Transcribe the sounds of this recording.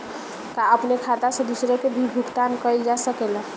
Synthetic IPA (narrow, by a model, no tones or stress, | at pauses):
kaəpnekʰat̪asə̃d̪usɾekebʱibʱuɡt̪ankəjld͡ʒasəkelə̃